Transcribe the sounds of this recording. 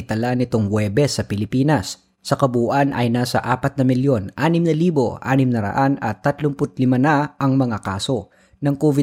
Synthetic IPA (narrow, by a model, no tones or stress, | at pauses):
ɪt̪ɐlanɪt̪oŋwɛːbɛsːɐpɪlɪpiːnɐsː | ɐkɐbuːʔanɐ̰jnaːsɐ̰ʔaːpɐt̪̚nɐmɪljo̞nʔaːnɪmnɐliːbo̞ʔa̰ːnɪmnɐɾɐ̰ʔanɐt̪ːɐt̪lompʊt̪̚lɪmɐnaɐŋmɐŋakaːso̞ | nɐŋkoːvɪ